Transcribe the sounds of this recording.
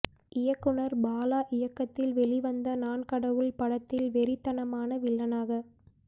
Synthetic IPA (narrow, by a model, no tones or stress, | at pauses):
ʔɪjɐkːɯɳɐɾbaːlaːʔɪjɐkːɐt̪ːɪlʋɛɭɪʋɐnd̪ɐnaːnkɐɽɐʋɯɭpɐɽɐt̪ːɪlʋɛɾɪt̪ːɐnɐmaːnɐʋɪɭːɐnaːɣɐ